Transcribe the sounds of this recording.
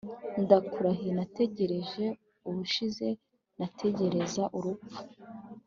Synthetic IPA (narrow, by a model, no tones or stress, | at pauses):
ndakuɾaɦinate̞ɟe̞ɾe̞ʒe̞ | uβuʃize̞ | natʰe̞ɟe̞ɾe̞zaʔuɾupu̥